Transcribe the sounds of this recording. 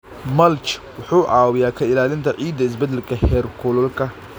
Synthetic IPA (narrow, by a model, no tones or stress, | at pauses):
mɐlt͡ʃ | wʊħuːʔaːwɪjaːkʰɐɪlaːlɪnt̪ʰɐʕiːd̪ɐɪs̬bɛd̪ɛlkʰɐhɛːrkʰʊlɔlkʰɐ